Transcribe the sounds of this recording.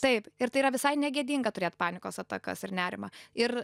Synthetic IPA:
t̪ɐɪpɪɾt̪ɐɪiːɾɐʋʲɪsɐɪnʲɛɡʲeɛd̪ʲiːŋɡɐt̪ʊɾʲeːt̪pɑːnʲɪkoːsɐt̪ɐkɐ̰sɪrnʲæːɾʲɪmɐɪr

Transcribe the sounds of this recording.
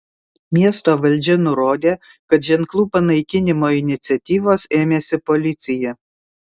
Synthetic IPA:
mʲiɛst̪oːʋɐlʲˑd͡ʒʲɛnʊɾoːd̪ʲeː | kɐt̪ʒʲɛŋklˠuːpɐnɐɪkʲɪnʲɪmoːɪnʲɪt̪sʲɛt̪ʲiːʋoːseːmʲeːsʲɪpɔlʲɪt̪sʲɪjɛ

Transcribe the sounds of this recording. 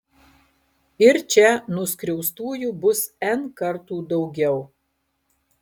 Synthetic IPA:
ɪɾt͡ʃʲɛnʊskɾʲɛʊst̪uːjuːbʊsɛnkɐɾt̪uːd̪ɒʊɡʲɛʊ

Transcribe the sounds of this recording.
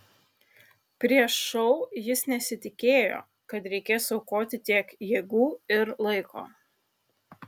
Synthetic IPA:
pʲɾʲiɛʃːɔʊjɪsnʲɛsʲɪt̪ʲɪkʲeːjo̰ː | kɐt̪ɾʲɛɪkʲeːsɐʊkoːt̪ʲɪt̪ʲiɛkjeːɡuːɪɾlˠɐɪkʰo̰ː

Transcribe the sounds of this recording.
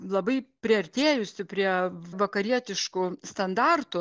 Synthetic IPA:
lˠɐbɐɪpʲɾʲɪɐɾʲt̪ʲeːjʊsʲɪpʲɾʲiɛʋɐkɐɾʲiɛt̪ʲɪʃkʊst̪ɐnd̪ɑrt̪ʊ

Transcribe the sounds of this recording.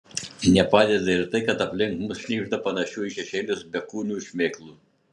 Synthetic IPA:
nʲɛpɑːd̪ʲɛd̪ɐɪɾt̪ɐɪkɐt̪ɐpʲlʲɪŋkmʊsʃʲnʲiːʒd̪ɐpɐnɐʃʲuʊiʃʲɛʃʲɛːlʲʊsbʲɛkuːnʲuːʃʲmʲeːklˠuː

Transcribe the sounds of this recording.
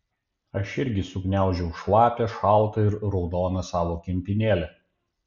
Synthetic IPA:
ɐʃɪɾʲɡʲɪsʊknʲæˑʊʒʲɛʊʃlˠɑːpʲɛʃɑˑʊt̪ɐɪɾɾɔʊd̪oːnɐsɑːʋoːkʲɪmʲpʲɪnʲeːlʲɛ

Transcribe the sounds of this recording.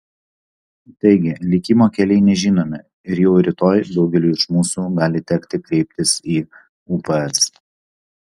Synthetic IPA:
t̪ɐɪɡʲɪlʲɪkʲɪmoːkʲɛlʲɛɪnʲɛʒʲiːnoːmʲɪ | ɪɾjɛʊɾʲɪt̪oːjd̪ɒʊɡʲɛlʲuːɪʃmuːsuːɡɑːlʲɪt̪ʲɛkt̪ʲɪkɾʲɛɪpʲt̪ʲɪsiː | upɛɛs

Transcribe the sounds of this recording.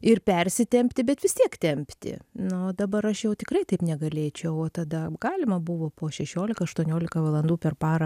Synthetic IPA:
ɪrpʲɛɾʲsʲɪt̪ʲɛmʲpʲt̪ʲɪbʲɛt̪ʋʲɪst̪ʲiɛkt̪ʲɛmʲpʲt̪ʲɪ̰nʊd̪ɐbɐɾɐʃjɛʊt̪ʲɪkɾɐɪt̪ɐɪpnʲɛɡɐlʲeːt͡ʃʲɛʊoːt̪ɐd̪ɐɡɑːlʲɪmɐbʊʋoːpoːʃʲɛʃʲoːlʲɪkɐɐʃt̪uɔnʲoːlʲɪkɐʋɐlˠɐnd̪uːpʲɛrpɑːɾɐ

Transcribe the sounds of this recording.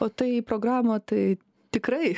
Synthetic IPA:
oːt̪ɐɪipɾoːɡɾɑːmoːt̪ɐɪ | t̪ʲɪkɾɐɪ

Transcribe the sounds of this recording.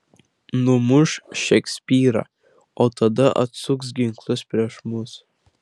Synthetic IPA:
nʊmʊʃʃɛksʲpʲiːɾɐ̰ | ot̪ɐd̪ɐʔɐ̰t̪suks̬ɡʲɪŋklˠʊspʲɾʲiɛʃmʊs

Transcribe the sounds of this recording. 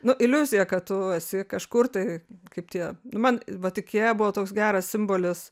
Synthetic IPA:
nʊʔɪlʲuzʲɪjɛkɐttʊɐsʲɪkɐʃkʊrt̪ɐɪkɐɪp̚tʲiɛnʊmɐnʋɐt̪ʲɪkʲiɛjɛbʊʋoːt̪oːksɡʲæːɾɐssʲɪmboːlʲɪs

